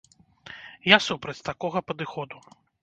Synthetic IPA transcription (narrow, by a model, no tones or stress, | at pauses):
jasupɾɐt͡sʲt̪akɔɣɐpɐd̪ɨxɔd̪u